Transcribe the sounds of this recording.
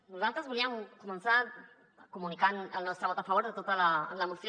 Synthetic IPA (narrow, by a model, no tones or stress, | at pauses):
lozant̪azβuliaŋkumẽnsθaɾ | kumunikanalnost̪ɾaβot̪afaβ̞oɾðet̪ot̪alalamuθj